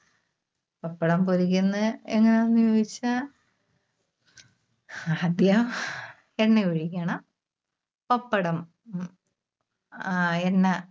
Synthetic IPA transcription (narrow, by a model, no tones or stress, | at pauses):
pɐpːɐɽɐmpoɾikʲːunːɨeŋːɐneonːujo̞ːɡit͡ɕːɨ | d̪jɐm | enːeuɻikʲːɐɳɐm | pɐpːɐɽɐm | enːe